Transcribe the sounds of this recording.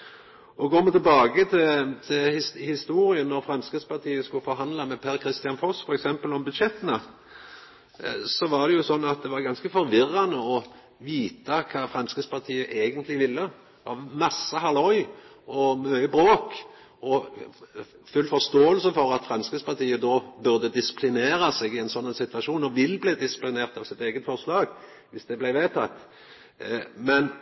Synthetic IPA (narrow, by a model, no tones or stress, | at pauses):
ɔɡoːmət̪ʰɛlbɑːɡət̪ʰɪt̪ʰɪlhɪhɪst̪uːɾɪənːɔɾfɾɑmskɾɪt̪spʰɑʁt̪ʰiːəskʊfɔɾɦɑnd̪lɑmɛpʰæːɾkʰɾɪst̪ɪɑnfɔsfɔɾɛksɛmpəlɔmbʉd̪ʃɛt̪ːənə | sɔʋɑʁd̪ɛjʊsɔnːɑt̪̚d̪ɛʋɑɾɡɑnskəfɔɾʋɪrːɑnəɔ | ʋiːt̪ɑkʰɑːfɾɑmskəspɑʁt̪ʰiːəʔeːɡənt̪ʰlɪʋɪlːəd̪ɑmɑsːəɦɑlɔʏ | ʔɔmœʏəbɾoːk | ɔ | fʉlːfɔʁst̪oːəlsəfɔɾɑt̪fʁɑnskəspɑʁt̪ʰiːəd̪ɔːbʉʁd̪əd̪ɪsɪ̥pʰlɪneːɾɑseːɡɪɛɪnsɔnːənsɪt̪ʋɑʃuːnɔʋɪlːbleːd̪ɪsɪ̥plɪneːʁt̪ɑʋsɪt̪eːɡət̪fɔʁslɑːɡ | ʋɪsd̪ɛblæɪʋeːt̪ʰɑt̪ː | mɛn